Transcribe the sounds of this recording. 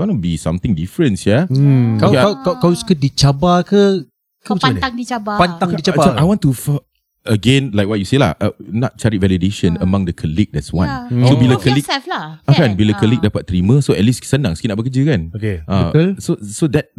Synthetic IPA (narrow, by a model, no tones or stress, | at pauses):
wãnubisãmt̪ɪ̃ŋdifɹə̃nsjakaakakawsu̥kədit͡ʃabakə | kəmət͡ʃaŋdit͡ʃabapant̪ãŋdit͡ʃaaaʔajwɔ̃ntufa | əɡẽnlajk̚wɔt̚juselahʔənɔt̚t͡ʃaɹivɛlideʃə̃nəmãŋdəkʰəlik̚dɛtswã̰nsobilakəlik̚flaakanbilakəlik̚dapat̚t̪ːɾimə̃soɛt̚lissənãŋsəkinaʔbəkəd͡ʒəkãnokeʔasosodɛt̚